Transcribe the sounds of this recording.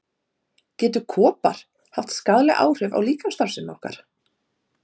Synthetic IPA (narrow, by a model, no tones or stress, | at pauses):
cɛːt̪ʏkʰɔːpa̰ɾ̥ | haft̪skaðlɛʔa̰ːwr̥ʏva̰wliːkanst̪aɾ̥sɪnːɔhka̰ɾ̥